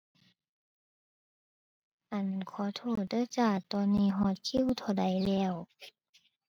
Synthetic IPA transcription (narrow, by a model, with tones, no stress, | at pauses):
ʔa˨˩nkʰɔː˨˦t̪ʰoː˧˩dɤː˧˥˨t͡ɕaː˧˩t̪ɔː˧nːiː˧˥˨ɦɔː˧˩t̪̚kʰi˧˥˨wt̪ʰa˧˩da˨˦jlɛː˧˩w